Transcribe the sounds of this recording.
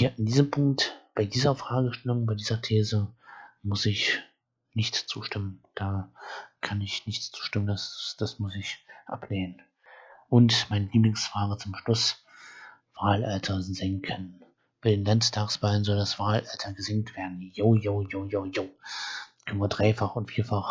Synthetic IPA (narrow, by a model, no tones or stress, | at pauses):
hiːɐɪndiːzəmpʰʊŋk̚tb̥aɪdiːzɐfʁ̥aːɡəʃtɛlʊŋbaɪdiːzɐtʰeːzəmʊsɪç | nɪçtt͡suːʃtɪmənd̥aːkʰanɪçnɪçtt͡suːʃtɪməndasd̥asmʊsɪçʔa̰pʰleːnən | ʔʊntmaɪnəliːblɪŋsfaːʁət͡sʊmʃlʊs | v̥aːlʔaltʰɐzɛŋkʰən | b̥aɪdeːnlanttʰaːksv̥aːlənzɔldasv̥aːlʔaltʰɐɡəzɪŋtv̥eːɐdn̩joːjoːjoːjoːjoː | kʰɛnvədʁaɪfaχʊntfiːɐfaχ